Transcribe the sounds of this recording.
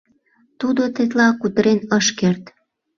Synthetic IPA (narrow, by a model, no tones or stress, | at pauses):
t̪ud̪ot̪et̪̬lɑkut̪əɾenəʃkert̪